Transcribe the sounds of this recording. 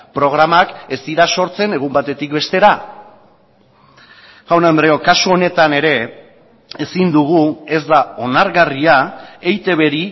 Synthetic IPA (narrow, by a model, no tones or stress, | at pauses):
pɾo̞ɣ̞ɾamake̞siɾaso̞ɾt͡se̞ne̞ɣ̞umbat̪e̞t̪ikbe̞st̪e̞ɾa | fawnand̪ɾeo̞kasuo̞ne̞t̪ane̞ɾe̞ | esind̪uɣ̞ue̞zd̪ao̞naɾɣariae̞jt̪e̞β̞e̞ɾi